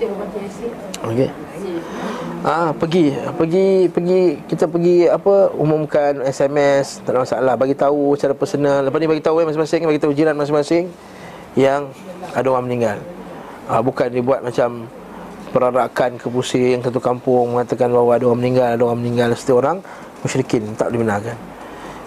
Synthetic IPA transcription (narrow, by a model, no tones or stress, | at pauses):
oke | ʔapəɡiəpəɡipəɡikit̪əpəɡiapəumumkanɛsɛmɛst̪adamasa̰alahbaɡit̪ausət͡ʃaɾapəsənələpasnibaɡit̪aujamasɪŋmasɪŋbaɡit̪aud͡ʒiɾanmas̬ɪŋmasɪŋ | jaŋ | adaoɣamənĩŋɡal | əbukandibuat̪̚mat͡ʃam | pəɾaɾakankəpusɪjaŋsat̪̬ukampʊŋmə̃ŋat̪akanbaɦwaːdaoɣaməniŋɡaladoɣaməniŋɡalsə̥t̪iəoɾaŋ | məʃɾikɪnt̪a̰ʔ̚dibənakan